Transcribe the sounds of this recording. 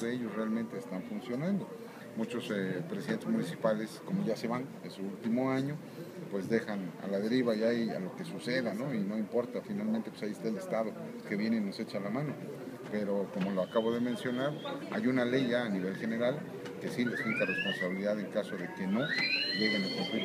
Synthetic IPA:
ðeeʝo̞srealmẽnt̪e̞ːst̪aɱfunsjo̞nãnd̪o̞ | mut͡ʃo̞sepɾesiðent̪ezmũnisipale̞sko̞mo̞ʝase̞βan | esuult̪imo̞aɲo̞ | pwe̞zd̪e̞xana̰laðe̞ɾiβaiaja̰lo̞ke̞suse̞ðano̞ino̞impo̞ɾt̪afinalmẽnt̪e̞pwesaiest̪aelest̪að̞o̞ | ke̞βje̞neino̞se̞t͡ʃalamãno̞ | pe̞ɾo̞ko̞mo̞lo̞akaβo̞ð̞e̞mẽ̞nsjo̞naɾa̰junale̞jːaːniβ̞e̞lxe̞ne̞ɾal | ke̞sile̞skit̪are̞spo̞nsaβiliðaðe̞ŋkaso̞ðe̞ke̞no̞ʝe̞ɣenakumpliɾ

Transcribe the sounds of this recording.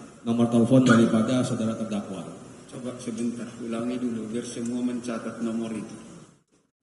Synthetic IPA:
nɔmɔrt̪ɛlfɔndaɾipadasaodaɾat̪ərdakwa̰t͡ʃɔbaʔsəbənt̪arulaŋiduluɡərsəmuaməɲt͡ʃat̪at̪̚nɔmɔɾit̪u̥

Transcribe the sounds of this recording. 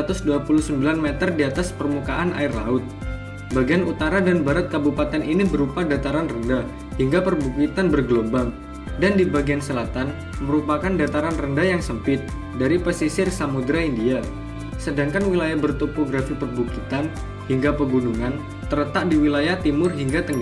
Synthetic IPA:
at̪ʊsduapuluhsəmbilanmɛt̪ərdiat̪aspərmukaʔanʔa̰ɪrlaʊt̪̚ | baɡianut̪aɾadanbaɾat̪̚kabupat̪ɛninibəɾupadat̪aɾanrənda | hiŋɡapərbukit̪anbərɡlobaŋ | dandibaɡiansəlat̪an | məɾupakandat̪aɾanrəndajaŋsəmpɪt̪̚ | daɾipəsisɪrsamudɾaindia | sədaŋkanwilajahbərt̪opoɡɾafipərbukit̪an | hiŋɡapəɡunuŋan | t̪əɾət̪aʔdiwilajaht̪imʊrɦiŋɡat̪əŋɡa

